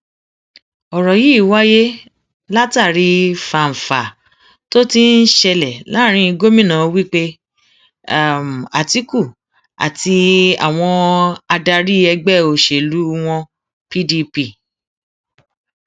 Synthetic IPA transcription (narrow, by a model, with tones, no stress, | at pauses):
ɔ˨ɾɔ˨ji˦˨wa˦je˦ | la˦ta˦˨ɾi˧fa˨m̩˨fa˨ | to˦ti˦n̩˦ʃɛ˧lɛ˨la˦ɾ̃ĩ˧i˧ɡo˦mĩ˦nã˨wi˦k͡pe˦˨ | m˨a̰˨ti˦ku˦˨ | a̰˨ti˧a̰˨w̃ɔ̃˧a˧da˧ɾi˦ɛ˧ɡ͡bɛ˦˨o˧ʃe˨lu˨˦w̃ɔ̃˧ | pi˦di˧pi˦˨